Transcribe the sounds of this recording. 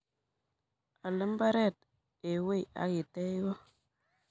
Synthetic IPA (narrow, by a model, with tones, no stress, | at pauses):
a˨lə˦mba˦ɾe˦˨t̚ | e˨we˦˨a̰˨˦ki˨te˦i˦wo˦